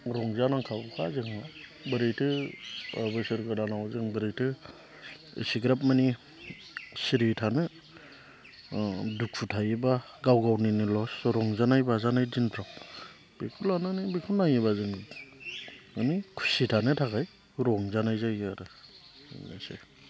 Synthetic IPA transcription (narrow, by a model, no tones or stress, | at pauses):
ɾɔŋzanaŋkʰaɡkʰazɯŋabɯɾejtʰɯɔbesɯɾɡɯdanawzɯŋbɯɾejtʰɯ | ḭsiɡɾap̚mani | siɾitʰanɯ | duk̚fʰutʰajiba | ɡawɡawninilɔsɾɔŋzanajbazanajdinpʰɾam | bikʰulananibikʰunːajibazɯŋ | ɯnikʰu̥sitʰanɯtʰakaj | ɾɔŋzanajzajaɾɯ̰ | nasḛ